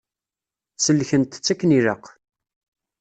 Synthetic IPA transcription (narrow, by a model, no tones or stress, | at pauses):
səlːçənt̪ə̥t͡sːækːniɾəq